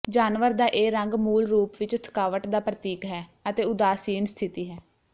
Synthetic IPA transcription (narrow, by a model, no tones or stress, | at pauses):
d͡ʒaːnʋəɾd̪aːʔeːɾəŋɡmuːlɾuːpʋɪt͡ʃt̪ʰə̥kaːʋəʈd̪aːpɾət̪iːkɦɛːət̪eːʊd̪aːsiːnst̪ʰɪt̪iːɦɛː